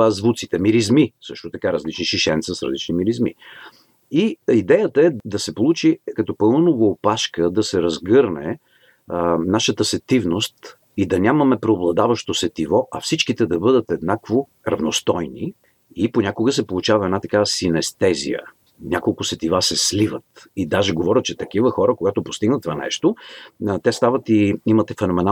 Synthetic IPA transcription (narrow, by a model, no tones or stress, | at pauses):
zvut̪sit̪ɛmiɾizmisɤʃt̪ot̪ɐkaɾəzlit͡ʃniʃiʃɛnt̪səsɾə̰lit͡ʃnimiɾizmḭ | iid̪ɛjət̪əɛd̪ɐsɛpolˠut͡ʃikɐt̪ɔpɤlˠnənovoːpaʃkəd̪ɐsɛɾɐzɡɤɾnɛ | naʃət̪əsɛt̪ivnost̪ | id̪ɐnʲamɐmɛpɾɛoblˠɐd̪avɐʃt̪osɛt̪ivɔʔɐ̰fsit͡ʃkit̪ɛd̪ɐbɤd̪ət̪ɛd̪nakvo | ɾɐvnost̪ɔjni | iponʲakoɡəsɛpolˠut͡ʃavɐɛd̪nat̪ɐkavəsinɛst̪ɛzḭjə̰ | nʲakolˠkʊsɛt̪ivasɛslivət̪id̪aʒɛɡovɔɾʲət̪̚t͡ʃɛt̪ɐk̟ivəxɔɾəkoɡat̪opo̥st̪iɡnət̪ːvanɛ̰ʃt̪ot̪ɛst̪avət̪iimət̪ɛfɛnomɛna